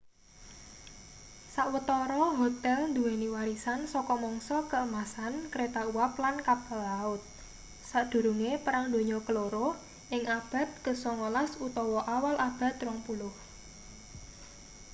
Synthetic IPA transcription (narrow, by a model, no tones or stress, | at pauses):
saʔwət̪ɔɾɔɦɔt̪ɛlnd̪uwɛniwaɾisansɔkɔmɔŋsɔkəəmasankəɾet̪auwaplankapalaʊt̪̚ | saʔd̪̥ṳɾuŋepəɾaŋd̪o̤ɲɔkəloɾo | ʔɪŋab̥a̤t̪̚ɡ̥ə̤sɔŋolasut̪ɔwɔʔawalʔab̥a̤t̪rɔŋpulʊh